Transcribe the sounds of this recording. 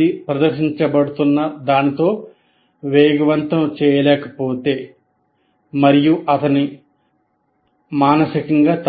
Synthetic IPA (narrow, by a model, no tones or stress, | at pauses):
ipɾɐd̪ɐɾʃiɲt͡ʃɐbɐɽut̪unːɐd̪aːnit̪o̞ː | ʋɛːɡɐʋɐnt̪ɐmt͡ʃɛːjɐlɛːkɐ̥poːt̪e̞ː | mɐɾijuʔɐt̪ɐni | maːnɐsikɐŋɡaːt̪